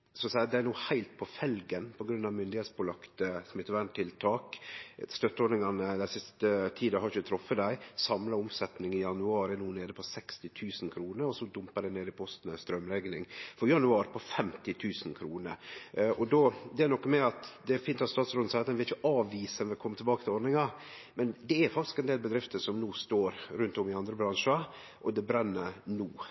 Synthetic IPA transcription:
sɔsæɪɑt̪d̪ææɾnuːhæɪlt̪̚pʰɔfɛlɡənpʰɔɡɾʉnːɑʋmʏnd̪ɪheːt̪sbʊːlɑkt̪əsmɪt̪ːʋæɳt̪ʰːɪlt̪ʰɑːkst̪œt̪ːəɔnɪŋɑnəd̪æɪsɪst̪ət̪ʰiːd̪əhɑɾɪçət̪ʰɾɔfːəd̪æɪsɑmlɑʊmsɛt̪nɪŋɪjɑnʉɑːɾɛnuːneːd̪əpʰɔsɛkst̪ɪt̪ʰʉːsn̩kʰɾuːnəɾɔsɔd̪ʊmpəd̪æɪneːd̪ɪpʰɔst̪n̩ɛst̪ɾœmɾɛɡnɪŋfɔjɑnʉɑːɾpʰɔfɛmt̪ɪt̪ʰʉːsən̩kʰɾuːnəɾʔɔd̪ɔd̪ɛæɾnɔkːmɛɑt̪d̪ɛfɪnt̪ɑt̪st̪ɑːt̪sɾoːd̪n̩sɑɑt̪ɛnʋɪɾɪçəʔɑːʋiːsɛnʋɪkʰɔmːət̪ɛlbɑːkət̪ɪlɔɖnɪŋɑ | mɛnd̪ɛæɾfɑk̚t̪ɪ̥skɛnd̪eːlbəd̪ɾɪft̪əʂɔmnuːst̪oːɾɾʉnt̪ɔmɪɑnd̪ɾəbɾɑnʂɑ | ʔɔd̪ɛbɾɛnːənuː

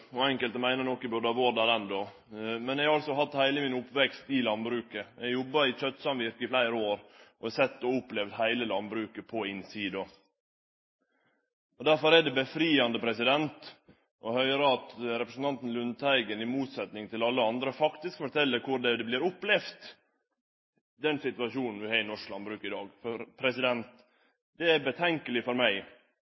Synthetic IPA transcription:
ɔɛŋkəlt̪əmæɪnəɾnɔkːɪbod̪ɑʋoːd̪ɑːɾɛnd̪ɔ | mɛnɛɪɡhɑɾɑlsɔɦɑt̪ːhæɪləmɪnʊpːʋɛkst̪ɪlɑnbɾʉːkəʔɛɡjɔbːɑɾɪc͡çœt̪ːsɑmʋɪɾkɪflæɪɾəoːɾʔɔɛsɛt̪ːɔʊpːlɛʋd̪hæɪləlɑnbɾʉːkəpʰɔɪnsiːd̪o | ɔd̪æɾfɔɾɛɖɛbəfɾiːɑnd̪əpʰɾɛsɪd̪ɛnt̪ | ʔɔhœʏɾəɑt̪ɾɛpɾəsn̩t̪ɑnt̪n̩lʉnt̪ʰæɪɡənɪmuːt̪sɛt̪nɪŋt̪ɪlɑlːəɑnd̪ɾəfɑkt̪ɪskfɔʈʰɛlːəɾkʰʊɾɖɛd̪ɛblɪːɾʊplɛft̪ | d̪ɛnsɪt̪ʉɑʃuːnn̩ʋɪhæɪnɔʂklɑnbɾʉːkɪd̪ɑːɡfɔɾpʰɾɛsɪd̪ɛnt̪ | d̪ɛæbət̪ʰɛŋkəlɪfɔɾmæɪ

